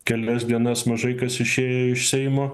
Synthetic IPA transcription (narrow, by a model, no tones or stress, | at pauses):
kʲɛlʲɛsd̪ʲiɛnɐsmɐʒɐɪkɐsɪʃʲeːjoɪʃsʲɛɪmoː